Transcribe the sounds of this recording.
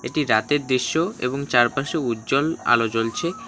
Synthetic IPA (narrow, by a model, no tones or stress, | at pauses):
ḛʈiɾat̪eɾd̪ɾiʃːoḛboŋt͡ɕaɾpaʃeutːd͡ʑola̰lot͡ɕolt͡ɕʰe